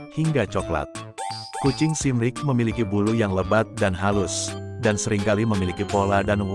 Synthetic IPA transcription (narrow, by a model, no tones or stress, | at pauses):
hiŋɡat͡ʃɔkla̰t̪̚kut͡ʃɪŋsimlɪk̚məmilikibulujaŋləbat̪̚danɦalʊsdansəɾɪŋkaliməmilikipoladan